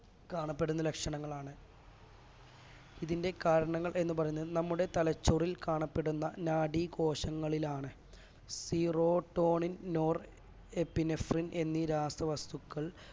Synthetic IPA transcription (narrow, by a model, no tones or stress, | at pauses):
kaːɳɐpːe̞ɽunːɐlekʂɐɳɐŋːɐɭaːɳɨ | iðinde̞kaːɾɐɳɐŋːɐɭʔe̞nːupɐrɐjunːɐðɨnɐmːuɽe̞t̪ɐlɐt͡ɕːorilkaːɳɐpːe̞ɽunːɐnaːɽiko̞ːɕɐŋːɐɭilaːɳɨ | siːro̞ːʈːo̞ːɳinnoːr | epːinefrinʔe̞nːiɾaːst̪rɐʋɐst̪ukːɐɭ